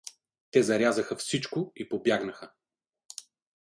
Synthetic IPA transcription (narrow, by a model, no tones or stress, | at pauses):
t̪ɛzɐɾʲazəxəfsit͡ʃkʊipobjaɡnɐxə